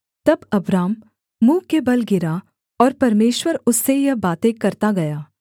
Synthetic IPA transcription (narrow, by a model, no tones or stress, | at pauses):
t̪ɐbɐbɾaːmː | ũːkebɐlɡɪɾa | ɔːɾpɐɾmeːʃwəɾʊsːejɐɦbaːt̪ẽkɐɾt̪aɡɐjaː